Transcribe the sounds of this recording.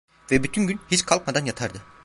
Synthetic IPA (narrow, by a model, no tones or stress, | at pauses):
vɛbyt̪ʰynɟynhit͡ʃkʰalˠk̚mad̪anjat̪ʰaɾd̪ɯ